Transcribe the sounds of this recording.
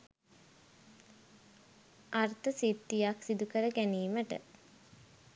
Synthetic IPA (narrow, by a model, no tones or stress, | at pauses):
art̪əsit̪ːijaksid̪ukəɾəɡæniːməʈə̰